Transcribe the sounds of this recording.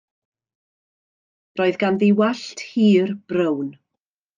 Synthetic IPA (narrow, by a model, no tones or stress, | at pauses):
rɔːɨðɡanðiwaɬtʰhiːrb̥rəwn